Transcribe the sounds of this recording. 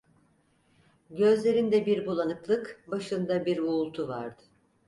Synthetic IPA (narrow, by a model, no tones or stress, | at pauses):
ɟøzlʲe̞ɾind̪ɛbiɾbulˠanɯklˠɯkbaʃɯnd̪abiɾuːlˠt̪ʰuva̰ɾd̪ɯ̥